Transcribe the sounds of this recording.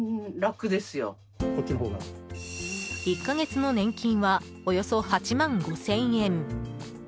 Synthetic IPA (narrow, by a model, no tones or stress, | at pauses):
ɾakɯ̟d̪e̞sɨjo̰ | okʲiɦoɡa̰ | ikːaɡe̞t͡sɨno̞nẽ̞ŋkʲĩɰ̃βa | ojo̞so̞hat͡ɕimãŋɡo̞sẽ̞ɰ̃ẽ̞n